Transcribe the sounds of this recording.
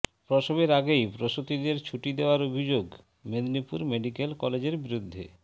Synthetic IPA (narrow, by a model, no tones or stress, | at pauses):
pɾoʃobeɾaɡejpɾoʃot̪id̪eɾt͡ɕʰuʈid̪eoaɾobʱid͡ʑoɡ | med̪nipuɾmeɖikelkɔled͡ʑeɾbiɾud̪ʱːḛ